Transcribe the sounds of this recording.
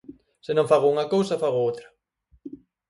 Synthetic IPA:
sɪnõŋfaɣouŋɐkowsɐfaɣoowt̪ɾɐ̥

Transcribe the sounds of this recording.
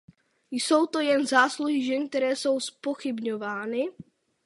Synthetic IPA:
jso̞wt̪o̞jɛnzaːsluɦɪʒɛnk̚t̪ɛɾɛːso̞wspo̞xɪbɲovaːnɪ

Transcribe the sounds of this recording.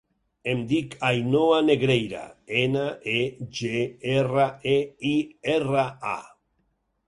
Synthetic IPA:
emd̪ikʰajnoaneɣɾejɾa̰enaʔeʒeeraeieraa̰

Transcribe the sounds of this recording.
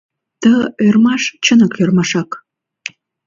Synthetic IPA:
t̪əørmɑʃt͡ɕənə̆kørmɑʃɑk

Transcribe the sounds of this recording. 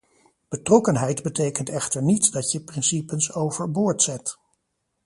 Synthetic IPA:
b̥ətrɔkənɦɛjdbətejkəntɛχtəɹnitdɑtjəprɪnsipənsowvəɹbʊːɹtsɛt

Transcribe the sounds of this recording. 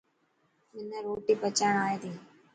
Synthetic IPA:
mɪnaːɾoːʈiːpət͡ʃaːɳaːeːt̪iː

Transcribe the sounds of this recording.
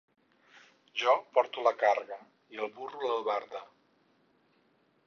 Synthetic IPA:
ʒɔpɔɾt̪uləkarɣə | iəlˠβuruləlˠβaɾðə

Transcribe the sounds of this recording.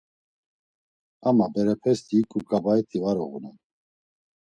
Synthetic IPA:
amabɛɾɛpʰɛst̪ikʼukʼabaɛt̪ʰivaɾɔɣṵnɛn

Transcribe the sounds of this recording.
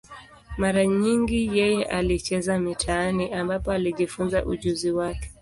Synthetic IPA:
maɾaɲiŋɡijɛjɛʔalit͡ʃɛzamitʰaaniʔambapɔaliʄifunza̰ʔuʄuziwakɛ̥

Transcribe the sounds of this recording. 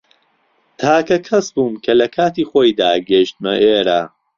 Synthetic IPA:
t̪ʰaːkɐkʰɐsbuːmkʰɐlɐkʰaːt̪iːxoːjd̪aːɡeʃt̪mɐʔeːɾaː

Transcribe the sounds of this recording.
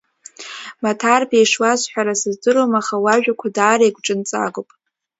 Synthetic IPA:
matʰarbejʂwasħʷᶣaɾasɨzdɨɾomaχawaʒᶣakʷʰadaːɾeɡʷʈ͡ʂʼɨnt͡sʼa̰ɡʷopʼ

